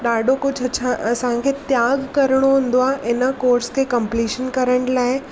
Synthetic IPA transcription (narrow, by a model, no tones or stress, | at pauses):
ɗaːɖʱokʊd͡ʑʱɐt͡ɕʰãʔɐsãkʰet̪jaːɡkɐɾəɽ̃oɦũːn̆d̪oaːʔɪnə̆koːɾskʰekɐ̃mpliːʃənkɐɾəɳlaːɪ